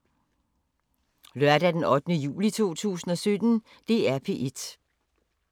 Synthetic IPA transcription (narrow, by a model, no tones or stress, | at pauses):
lɶɐdæd̥enɒ̽d̥ənəjṵːlit͡sʰo̝̰ːt͡sʰṵːsn̩ɒ̽sød̥n̩ | d̥e̝æɐpʰe̝̰ːʔe̝d̥